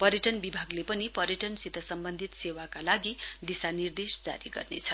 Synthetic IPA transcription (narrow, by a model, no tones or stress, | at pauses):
pʌɾjʌʈʌnbibʱaɡlepʌnipʌɾjʌʈʌnsit̪ʌsʌmbʌnd̪ʱit̪sewakalaɡid̪isanird̪esd͡za̰ɾiɡʌ̰rnḛt͡sʰʌ